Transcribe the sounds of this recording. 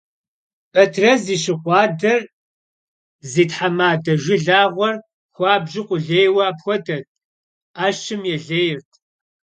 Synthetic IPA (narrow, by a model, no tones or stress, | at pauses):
pʼɐtʰrɐziːɕɪqʷɑːdɐr | ziːtħamaːdɐʒʷɪɮaːʁʷɔr | xʷɑːbʒɪqʷʼʊɮeːjwɑːpxʷɔdɐt̚ʰʼ | aːʃɨmjɛɮeːjɪrtʼʰ